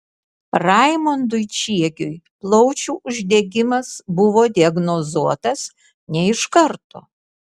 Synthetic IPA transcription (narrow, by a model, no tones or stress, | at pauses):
ɾɑɪmond̪ʊɪt͡ʃʲiɛkʲʊjplˠɔʊt͡ʃʲuːʔʊʒʲd̪ʲɛɡʲɪmɐsbʊʋoːd̪ʲiɐɡnozuɔt̪ɐs | nʲɛɪʃkɐɾt̪o̰ː